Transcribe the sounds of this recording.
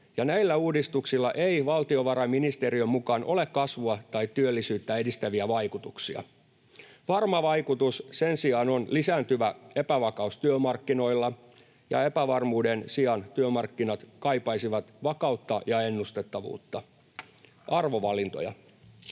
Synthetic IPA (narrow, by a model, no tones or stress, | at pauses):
jɑnæilːæuːdist̪uksilːɑʔeiʋɑlt̪io̞ʋɑɾɑminist̪eɾiømːukɑːnʔo̞lekkɑsʋuɑt̪ɑitt̪yølːisyːt̪ːæe̞dist̪æʋiæʋɑikut̪uksiɑ̰ | ʋɑrmɑʋɑikut̪ussensiɑːno̞nlisæːnt̪yʋæe̞pæʋɑkɑust̪yømɑrkːino̞ilːɑ | jɑ̰epæʋɑrmuːdensiɑnt̪yømɑrkːinɑt̪kɑipɑisiʋɑt̪ʋɑkɑut̪ːɑjɑe̞nːust̪et̪ːɑʋṵːt̪ːɑ | ʔɑrʋoʋɑlint̪o̰jɑ̰